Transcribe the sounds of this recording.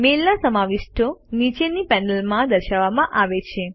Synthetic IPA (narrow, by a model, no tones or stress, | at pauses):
melnasəmaʋɪʃʈʰonit͡ʃenipɛnəlmãd̪əɾʃaʋːamãʔaʋet͡ʃʰe